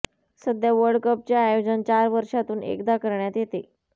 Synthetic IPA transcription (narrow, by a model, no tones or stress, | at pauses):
səd̪jaʋəɾɖkəp̚t͡ɕjaːjod͡ʑənt͡ɕaɾʋəɾʂat̪uːnḛkd̪akəɾɳjat̪jet̪e